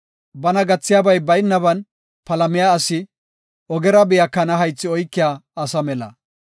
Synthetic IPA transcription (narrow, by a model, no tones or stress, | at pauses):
bɐnɐɡɐt͡sːɪjaːbɐjbɐjnːɐbɐn | pɐlɐmɪjaːsɪ | ʔɔɡɛɾɐbɪjɐkːɐnɐɦɐjt͡sːɪɔjkːɪjaːɐsɐmɛlɐ̰